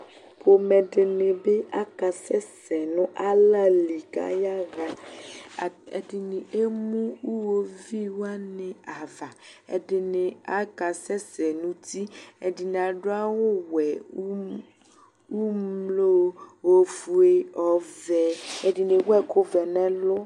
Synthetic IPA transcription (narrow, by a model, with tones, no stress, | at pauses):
po˨me˨ɖe˨ne˨be˦ʔa˦ka˨sɛ˦sɛ˨nũ˦ʔa˦la˦li˨ka̰˦ja˦ɣa˨ | di˨ne˨e˦mũ˦wu˦wo˦vi˦wa˦nẽ˨a˨va˨e˨de˨ne˨a˦ka˨sɛ˦sɛ˨nũ˦t̪i˦e˨di˨n˨a˨ɖo˦a˦wo˦wɛ˨˦ | wu˦mlo˦wo˦fu˨e˦ɔ˨vɛ˨e˨di˨ne˨wɛ˦ko˦vɛ˨nɛ̃˦lʊ˦